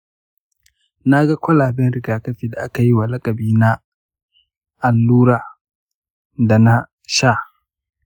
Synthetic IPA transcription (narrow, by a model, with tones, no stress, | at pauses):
na˦ɡa˦kʷɐ˦laː˨bɪ˦nɾɪ˨ɡaː˨kɐ˦ɸiː˨da˨ʔa˦ka˨ji˦wa˨lɐ˦kʼɐ˨biː˦na˦ | ʔa˨lːuː˦ɾa˨ | da˨na˦ | ʃa˦˨